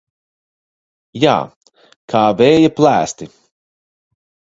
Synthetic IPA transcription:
ja̰ː | kʰaːvɛːjaplˠæːst̪i

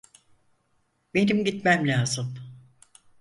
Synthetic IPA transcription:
be̞nimɟit̪mæmlʲaːzɯm

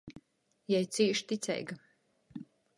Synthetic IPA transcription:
jɛjt̪siːʃt̪it̪sʲɛ̰jɡa

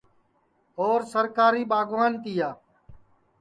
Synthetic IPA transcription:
oːɾsəɾkaːɾiːɓaːɡʱʋaːnt̪iːjaː

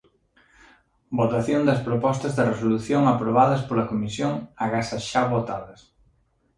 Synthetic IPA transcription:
bot̪aθjond̪ɐspɾopɔst̪ɐzðɪresoluθjoŋapɾoβaðɐspolɐkomisjoŋaɣasaʃaβot̪aðɐs

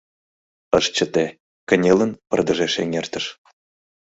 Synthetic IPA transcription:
ɤ̆ʃt͡ɕə̆t̪e | kə̆nʲelə̆npɤ̆rd̪ɤ̆ʒeʃeŋʲert̪ə̆ʃ

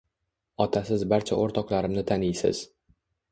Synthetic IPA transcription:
ɒt̪ʰasɪzbaɾt͡ʃʰa̰ʔoɾt̪ʰɒqlaɾɪmnɪt̪ʰanɪjsɪ̰z̥

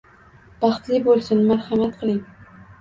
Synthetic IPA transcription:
b̥ɑχt̪lɪbolˠsɪnmaɾhamat̪qʰɨlˠɪŋ

